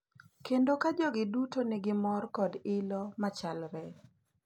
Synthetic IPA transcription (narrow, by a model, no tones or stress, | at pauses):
kendokad͡ʒɔɡɪdutoneɡɪmɔrkɔdɪlɔmat͡ʃalɾɛ